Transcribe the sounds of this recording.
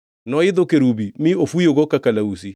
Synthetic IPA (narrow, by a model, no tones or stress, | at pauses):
nɔeðokeɾubimiofujoɣokakalausi